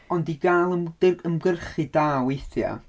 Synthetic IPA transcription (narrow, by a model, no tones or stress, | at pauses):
ɔndiɡaːlˠəəmɡərχidaːwejθja̰